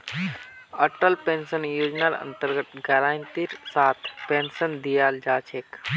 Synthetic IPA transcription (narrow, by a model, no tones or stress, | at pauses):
əʈəlpeːnsənjoːd͡ʒnaɾə̰nt̪əɾɡət̪ɡɛɾaːnt̪iɾsaːt̪ʰpensənd̪ijaːld͡ʒaːt͡ʃʰek